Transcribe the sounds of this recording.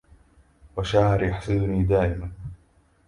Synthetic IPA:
waʃaʕɑɾjaħsɪd̪ʊniːd̪aːʔɪman

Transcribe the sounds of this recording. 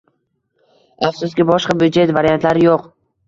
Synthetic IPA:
afsʊskʲɪbɒʃqɑbʊd̪d͡ʒe̞t̪vaɾijant̪laɾɪjoq

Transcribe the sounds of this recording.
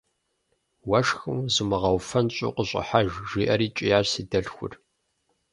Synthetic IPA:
wɐʂxɨmzɨmɨʁɐwfɐnt͡ɕʼṵqəɕʼɪ̰ħaʒʒiːʔɐɾiːt͡ʃʼijaʒsiːdɐɮxʷʊ̰r

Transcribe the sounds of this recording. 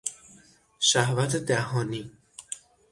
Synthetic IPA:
ʃæhvæt̪ʰed̪æhɒːni

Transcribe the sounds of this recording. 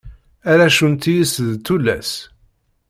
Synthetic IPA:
æɾæʃunt̪ijisðt̪ːulːæ̰s

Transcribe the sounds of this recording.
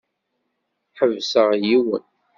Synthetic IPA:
ħəvsəʁjiwə̰n

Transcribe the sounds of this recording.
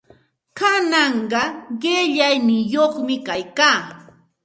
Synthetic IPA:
kanɑɴɢɑɢeʎajnɪŋjoχmɪkajkaː

